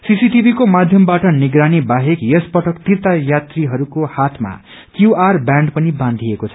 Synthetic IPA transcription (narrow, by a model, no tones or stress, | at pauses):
sisiʈibʱikomad̪ʱjʌmbaʈʌniɡɾanibaɦekjespʌʈʰʌkt̪irt̪ajat̪riɦʌɾukohat̪ʰma̰ | kjuarbjãɳɖpʌnibãnd̪ʱijekot͡sʰʌ̥